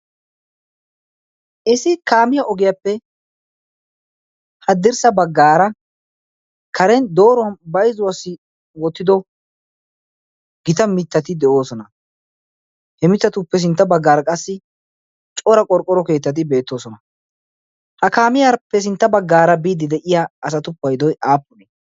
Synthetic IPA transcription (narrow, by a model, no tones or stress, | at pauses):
ʔɪsɪkaːmɪjaʔɔɡɪjɐpːɛ | hɐd̪ɪɾsɐbɐɡːaːɾɐ | kʰɐɾɛnd̪o̞ːɾɔwɐnbɐjzʊwɐsɪ | wɔt̪ːɪd̪ɔ | ɡ̥ɪt̪ɐmɪt̪ːɐt̪ɪd̪ɛʔo̞ːsɔnɐ | hɛmɪt̪ːɐt̪ʊpːɛs̬ɪnt̪ːɐbɐɡːaːɾɐkʼɐsːɪ | t͡ʃʼɔɾɐkʼɔɾkʼːɔɾɔke̞ːt̪ːɐt̪̬ɪbe̞ːt̪ːo̞ːsɔnɐ | hɐkaːmɪjaːpːɛs̬ɪnt̪ːɐbɐɡːaːɾɐbiːd̪ɪd̪ɛʔɪjaɐsɐt̪ʊpːɐjd̪ɔjaːpːʊneː